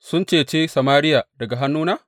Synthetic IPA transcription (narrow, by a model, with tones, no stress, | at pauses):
sʊ˦nt͡ʃeː˨t͡ʃeː˦sa˨maː˦ɾɪ˦jaː˨dɐ˨ɡa˨ɦa˦nːuː˦naː˦